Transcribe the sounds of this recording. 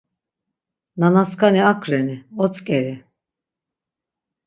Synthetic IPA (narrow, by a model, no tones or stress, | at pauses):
nanaskʰaniakʰɾɛniɔt͡sʰʼkʼɛɾi